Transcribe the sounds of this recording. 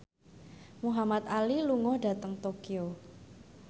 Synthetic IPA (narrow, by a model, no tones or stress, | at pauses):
muɦamat̪̚aliluŋɔhɖ̥a̤t̪əŋt̪okio